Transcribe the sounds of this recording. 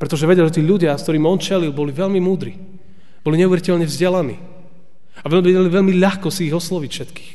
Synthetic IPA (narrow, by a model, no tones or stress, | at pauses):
pɾɛt̪ɔʒɛʋɛɟɛlʒɛt̪iːʎuɟɪaskt̪ɔɾiːmɔnt͡ʃɛlilˠbɔliʋɛʎmimuːd̪ɾḭ | bɔliɲɛuʋɛɾicɛʎɲɛvzɟɛlanḭː | aʋɛmɛɟɛliʋɛʎmiʎaxkɔsiːɣɔslɔʋicfʃɛt̪ki̥ːx